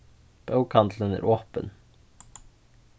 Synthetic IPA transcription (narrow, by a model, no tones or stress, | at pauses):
b̥ɑʉkʰɑnt̪lənæ̰ːɾʔoːpə̰n